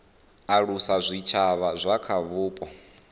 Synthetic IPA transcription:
aɺusazʷit͡ʃʰaβazʷakʰaβuːpʼɔ

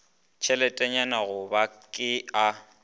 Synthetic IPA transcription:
t͡ʃʰɛlɛtʼɛɲanaɣʊbakʼɪa

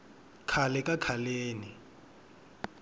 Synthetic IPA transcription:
kʰalɛkʼakʰaleːni

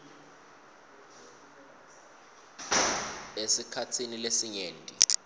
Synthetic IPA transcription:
esikʰatʰinilesiɲeːntʼḭ

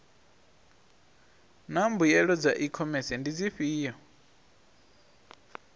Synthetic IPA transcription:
nambujɛɺɔd͡zaʔikʰɔmɛsɛndid͡ziɸiːjɔ

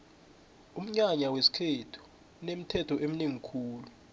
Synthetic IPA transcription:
um̩ɲaɲawesi̥kʰetʰu̥ | unem̩tʰɛtʰɔʔem̩neŋikʰuːlu

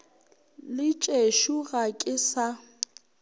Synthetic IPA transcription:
lɪt͡ʃʼeʃuɣakʼɪsa

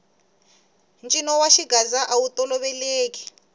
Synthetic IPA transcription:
nt͡ʃʼinɔwaʃiɡazaʔawutɔlɔβɛleːki̥

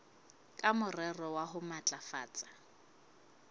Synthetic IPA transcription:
kʼamʊrɛrɔwaɦʊmat͡ɬʼafa̰ːt͡sʼḁ

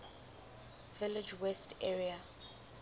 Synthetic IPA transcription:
vɪlɪd͡ʒwɛstʰɛɹia

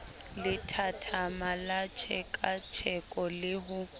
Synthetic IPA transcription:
lɪtʰatʰamalat͡ʃʰɛkʼat͡ʃʰɛkʼɔlɪɦʊ

